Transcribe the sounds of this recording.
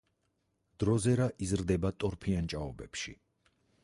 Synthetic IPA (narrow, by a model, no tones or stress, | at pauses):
d̪̥ɾɔzɛɾaʔizɾd̪ɛbat̪ʼɔɾpʰiant͡ʃʼaɔbɛpʃḭ